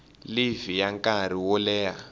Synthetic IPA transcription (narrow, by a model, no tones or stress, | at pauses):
livijaŋkʼaɾ̤iwɔlɛːja